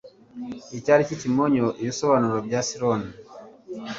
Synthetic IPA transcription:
icaɾicicimoɲoʔiβiso̞βanuɾobɟasiɾoni

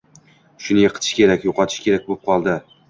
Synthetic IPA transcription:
ʃʊnɪjeqʰɨ̥t̪ʰɪ̥ʃkʲe̞ɾakʲjoqʰɒt̪ʰɪ̥ʃkʲʰe̞ɾak̚ʲbop̚qʰɒlˠd̪ɪ

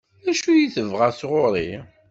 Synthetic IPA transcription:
æʃujiθəvʁasʁoɾˤi

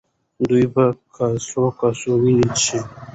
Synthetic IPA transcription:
d̪ujbakasokasowinit͡ʃʰi

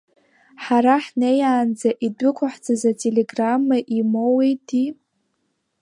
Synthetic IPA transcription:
ħaɾaħnejaːnd͡zaʔidʊkʷʰaħd͡zazatʰʼeleɡramːaʔimowejtʰi

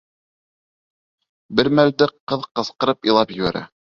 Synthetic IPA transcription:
bɘɾmæld̪ɘqɤðqɤ̆sqɤ̆ɾɤpilˠɑpjɘ̆βæɾæ̰

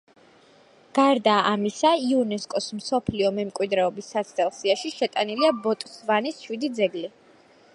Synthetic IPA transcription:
ɡ̥aɾd̪aːʔamisaiɔnɛskʼɔsmsɔpʰliɔmɛmkʼwid̪ɾɛɔbisːat̪sʰt̪ʼɛlˠsiaʃiʃɛt̪ʼaniliabɔt̪ʼsvanisʃwid̪id̪zɛɡli

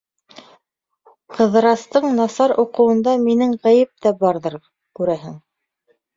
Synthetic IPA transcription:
qɤ̆ðɾɑst̪ɤɴnɑsɑɾuqɤ̆wɤ̆nd̪ɑminɘŋʁæjɘp̚t̪æbɑɾðɤɾ | kʉɾæɦɘŋ

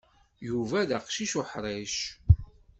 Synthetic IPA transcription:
juvæðəqʃiʃʊħɾˤeʃ

